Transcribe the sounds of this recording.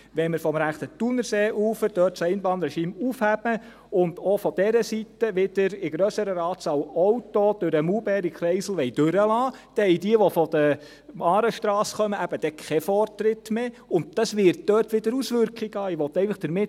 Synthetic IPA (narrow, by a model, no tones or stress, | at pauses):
ʋɛnmɪɾfɔmɾæχt̪ət̪unəɾseːʔuːfəd̥œːtsɛɪnbɑːnɾɛʃiːmufhæb̥ə | ʊnd̥̪ofɔd̥̪ɛɾəsitəʋɪd̥əɾɪɡɾœsəɾəɾɑːtsɑwɔwtɔd̥̪ʉɾəmuːbɛːɾikʰɾɛɪsl̩ʋɛɪd̥øɾəlɑːd̥ɛhɛjdiəʋɔfɔd̪̥ə | mɑːɾəʃtɾɑːsχœməʔæb̥əd̥̪ɛkʰɛfɔrtɾɪtme | ʊnt̚d̥ɑsʋɪɾt̚d̥œːrtʋɪdəɾusʋʏɾkiɡɑːɪʋɔt̪ɛɪfəχd̥əɾmɪt